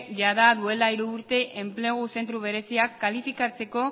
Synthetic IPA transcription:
ʝaðaðue̞laiɾuːɾt̪e̞ʔempleɣ̞use̞nt̪ɾuβe̞ɾe̞siakːalifikat͡se̞ko̞

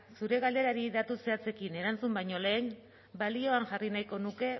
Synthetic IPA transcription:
suɾe̞ɣald̪e̞ɾaɾiðat̪use̞at͡se̞kine̞ɾant͡sumbajɲo̞le̞ːn | balio̞aŋʝarinajko̞nuke̞

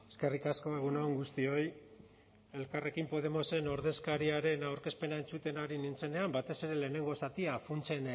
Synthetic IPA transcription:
eske̞rikasko̞eɣ̞unooŋɡust̪io̞j | e̞lkare̞kimpo̞ð̞e̞mo̞se̞no̞ɾðe̞skaɾiaɾe̞nawɾke̞spe̞nae̞nt͡sut̪e̞naɾinint͡se̞ne̞ambat̪e̞se̞ɾe̞le̞ːne̞ŋɡo̞sat̪iafunt͡se̞n

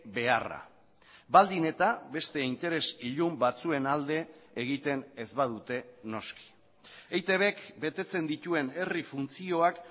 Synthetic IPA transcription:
be̞ara̰ | bald̪ine̞t̪aβe̞st̪e̞int̪e̞ɾe̞siʎumbat͡sue̞nald̪e̞ːɣ̞it̪e̞nezβað̞ut̪e̞no̞ski̥ | ejt̪e̞β̞e̞kbe̞t̪e̞t͡se̞nd̪it̪ue̞ne̞rifunt͡sio̞ak

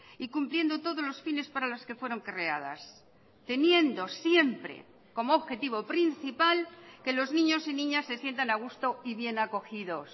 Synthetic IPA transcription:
ikumplje̞nd̪o̞t̪o̞ðo̞zlo̞sfine̞spaɾalo̞ske̞fwe̞ɾo̞ŋkre̞að̞a̰s | t̪e̞nje̞nd̪o̞sje̞mpɾe̞̰ | ko̞moːβxe̞t̪iβ̞o̞pɾin̟θipalke̞lo̞znĩɲo̞sinĩɲasːe̞sje̞nt̪anaɣ̞ust̪o̞iβje̞nako̞xiðo̞s

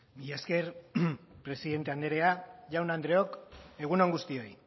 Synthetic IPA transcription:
miʎaske̞ɾ | pɾe̞siðe̞nt̪e̞and̪eɾeaʝawnand̪ɾe̞o̞ke̞ɣ̞unoŋɡust̪io̞j

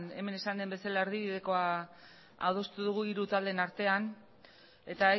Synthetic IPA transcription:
ne̞̰me̞ne̞sand̪e̞mbe̞salaeɾðiβiðe̞ko̞a | a̰wðo̞st̪uðuɣ̞uiɾut̪ald̪e̞naɾt̪e̞an | e̞t̪a

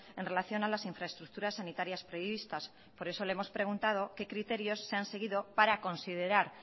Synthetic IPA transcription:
e̞nre̞laθjo̞nalasiɱfɾaest̪ɾuk̚t̪uɾasːanit̪aɾjaspɾo̞iβ̞ist̪as | po̞ɾe̞so̞leemo̞spɾe̞ɣ̞unt̪að̞o̞ke̞kɾit̪e̞ɾjo̞sːe̞anse̞ɣ̞iðo̞paɾako̞nsið̞e̞ɾaɾ

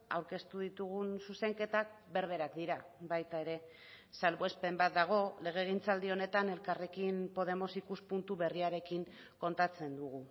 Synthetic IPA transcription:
a̰wɾke̞st̪uðit̪uɣ̞unsuse̞ŋke̞t̪ak̚be̞ɾβe̞ɾakd̪iɾabajt̪ae̞ɾe̞ | salβoe̞spe̞mbat̪̚d̪aɣ̞o̞le̞ɣ̞e̞ɣ̞int͡sald̪io̞ne̞t̪ane̞lkare̞kimpo̞ð̞e̞mo̞sikuspunt̪uβe̞riaɾe̞kiŋ | ko̞nt̪at͡se̞nd̪uɣ̞u

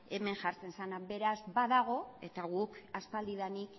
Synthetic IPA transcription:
e̞me̞ŋʝaɾt͡se̞nsanabe̞ɾazbaðaɣ̞o̞e̞t̪aɣukaspald̪iðanik

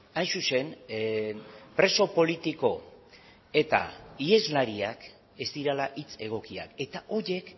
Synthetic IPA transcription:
ajnsuse̞n | pɾe̞so̞po̞lit̪iko̞ | e̞t̪a̰ie̞zlaɾiak | e̞zd̪iɾalaʔit͡se̞ɣ̞o̞kia̰ke̞t̪aʔo̞ɾe̞k

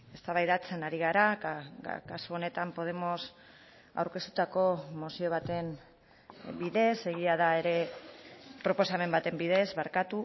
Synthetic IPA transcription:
e̞st̪aβajðat͡se̞naɾiɣ̞aɾakkasuo̞ne̞t̪ampo̞ð̞e̞mo̞s | a̰wɾke̞st̪u̥t̪ako̞mosio̞β̞at̪e̞n | biðe̞se̞ɣ̞iaðae̞ɾe̞ | pɾo̞po̞same̞mbat̪e̞mbiðe̞zβaɾkat̪u

